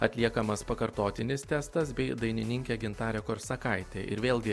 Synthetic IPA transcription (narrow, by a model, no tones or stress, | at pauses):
ɐt̪ʲlʲiɛkɐmɐspɐkɐɾt̪oːt̪ʲɪnʲɪst̪ʲæːst̪ɐs̬bʲɛɪd̪ɐɪnʲɪnʲɪŋʲkʲeːɡʲɪnt̪ɑːɾʲɛːkoːɾsɐkɐɪt̪ʲeːʔɪɾʋʲeːlˠɡʲɪ